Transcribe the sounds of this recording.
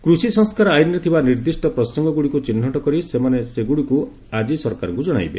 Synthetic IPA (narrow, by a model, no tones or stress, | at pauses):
kɾusisɔŋskaɾɔajnːet̪ʰibaniɾd̪isʈɔpɾɔsɔŋɡɔɡuɽikut͡ʃin̤ːɔʈɔkɔɾisemaneseɡuɽiku | ad͡ʒisɔɾkaɾɔ̰ŋkud͡ʒɔɽ̃a̰jbḛ